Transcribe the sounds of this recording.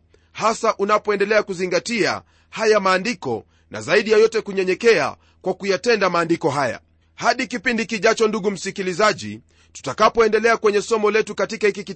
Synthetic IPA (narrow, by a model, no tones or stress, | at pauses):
hasaʔunapɔɛndɛlɛakuziŋɡatia̰ | hajamaːndikɔ̰ | nʔa̰zaiɗijajɔtɛkuɲɛɲɛkɛa̰ | kwakujatɛndamaːndikɔɦaja̰ | haɗikipindikiʄat͡ʃɔnduɠum̩sikilizaʄḭ | tu̥takapɔɛndɛlɛakwɛɲɛsɔmɔlɛtukatikahikiki